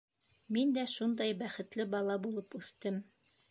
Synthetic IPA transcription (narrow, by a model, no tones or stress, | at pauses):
mind̪æʃund̪ɑjbæχɘ̆t̪lɘbɑlˠɑbulˠɤpʉθt̪ɘm